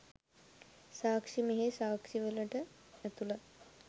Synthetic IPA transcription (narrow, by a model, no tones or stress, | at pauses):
saːkʂimeɦesaːkʂiʋəlɐʈənɐt̪ula